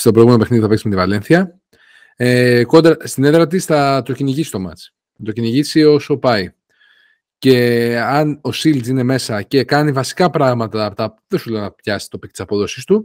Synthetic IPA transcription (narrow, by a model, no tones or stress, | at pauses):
st̪o̞pɾoiɣumenop̬eniðiθɐpesmet̪ivɐle̞nθiɐ | eko̞nd̪ɾɐst̪ineðɾɐt̪̬isθɐt̪o̞ciniʝisi̥st̪o̞mɐ̰t͡s | ɐt̪o̞ciniʝisio̞so̞pɐi | ce̞ɐno̞silsine̞me̞sɐce̞kɐnivɐsi̥kɐpɾɐɣmɐt̪ɐːpot̪ɐ | ðesuleonɐpçɐssi̥t̪o̞pit̪isɐpo̞ðo̞sist̪u